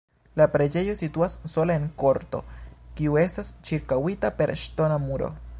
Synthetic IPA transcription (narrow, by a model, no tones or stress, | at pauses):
lapɾed͡ʒe̞josit̪uasːo̞laeŋko̞ɾt̪o̞̰kiue̞st̪ast͡ʃiɾkawit̪ape̞ɾʃt̪o̞namuɾo̞̰